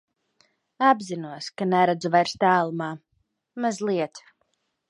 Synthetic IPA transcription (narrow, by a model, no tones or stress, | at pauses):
abzinuɔskanɛɾad̪zuvajɾst̪æːlˠumaː | mazlˠiɛt̪